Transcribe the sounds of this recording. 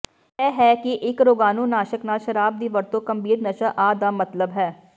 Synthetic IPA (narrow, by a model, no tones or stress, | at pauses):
ɛːɦɛːkɪʔɪkɾoːɡaːnũːnaːʃəknaːlʃəɾaːb̚d̪iːʋəɾt̪õːkəmbʱiːɾnəʃaːʔaːd̪aːmət̪ləbɦɛː